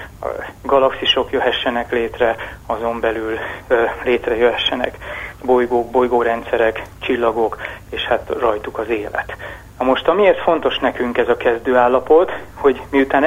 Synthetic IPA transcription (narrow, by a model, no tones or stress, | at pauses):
ɒ̰ɡɒlɒksiʃo̞kjøɦɛʃːɛnɛkleːt̪rɛɒzo̞mbɛlylleːt̪rɛjøɦɛʃːɛnɛ̰kbo̞jɡoːɡ̚bo̞jɡoːɾɛnt̪sɛɾɛkt͡ʃilːɒɡo̞keːʃhat̪rɒjt̪ukɒzeːlɛ̰t̪ | nɒmo̞ʃt̪ɒmieːrt̪fo̞nt̪o̞ʃnɛkyŋkɛzɒkɛzd̪øːaːlːɒpo̞t̪ho̞ɟmiut̪aːn